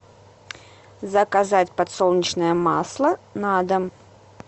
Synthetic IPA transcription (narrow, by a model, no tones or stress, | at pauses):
zəkazatʲpɐt̪solˠnʲɪt͡ɕnəjəmaslˠənad̪ə